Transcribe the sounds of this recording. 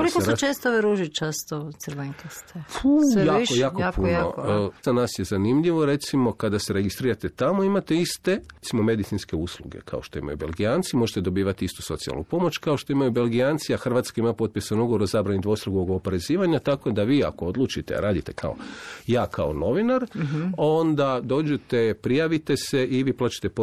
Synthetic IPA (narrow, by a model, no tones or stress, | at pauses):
kolikot͡ʃeːst̪ooʋeɾuʒit͡ʃast̪ot̪srʋeŋkest̪efujaːojaːkoapujnozanaːsjezanimʎiʋo̞ɾe̞t̪simo̞kad̪ase̞ɾe̞ɡist̪ɾiːɾat̪et̪amoimat̪e̞ist̪e̞et̪simo̞me̞d̪it̪inske̞uːslṵɡe̞̰kʰa̰oʃt̪o̞ḭma̰jṵbe̞lɡiaːnt̪simo̞ʒet̪ed̪o̞biːʋat̪iist̪u̥so̞t̪sia̰lˠnṵpo̞mo̞t͡ʃkaoʃt̪o̞imajube̞lˠɡijant̪siaxr̩ʋat̪skaimapo̞t̪̚pjesanuɡoɾozabɾanid̪ʋo̞st̪ɾuɡuoɡopoɾe̞ziːʋaɲat̪ako̞d̪aʋiːa̰ko̞od̪lˠuːt͡ʃit̪ea̰ɾaːd̪it̪e̞kʰa̰o̰jaːkʰao̞no̞ʋinaɾo̞nd̪ad̪o̞ːd͡ʑet̪e̞pɾijaʋit̪e̞se̞ʔiʋiːplaːt͡ʃe̥t̪e̞po